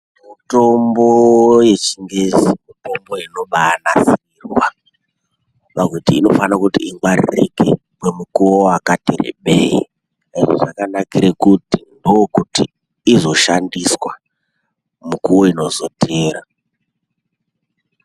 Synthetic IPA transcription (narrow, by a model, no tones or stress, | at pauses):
mito̞mbo̞je̞t͡ʃiŋɡe̞zimito̞mbo̞ino̞ɓaːnasiirwa | pakutiːno̞fanakutiiŋwarḭrike | mwemukuwoakatḛɾḛɓḛḭ | eʐo̰ʐakanakiɾekutindookutiː | zo̞ʃandiswa | mukuwo̞ino̞zo̞tʰeːɾa